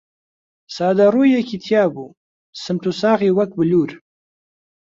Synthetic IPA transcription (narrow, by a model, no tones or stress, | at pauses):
sɑːd̪aɾujakit̪ʰjɑːbu | səmt̪usɑːɣiwak̚bəluɾ